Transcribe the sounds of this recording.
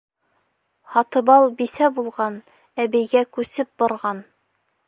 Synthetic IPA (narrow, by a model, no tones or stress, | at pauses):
hɑt̪ɤ̆bɑlˠbisæbulˠʁɑn | æβɘ̆jɡækʉsɘp̚bɑɾʁɑn